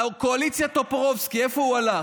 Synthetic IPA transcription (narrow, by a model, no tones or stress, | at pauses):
koalit͡sjat̪opʁovskiefouala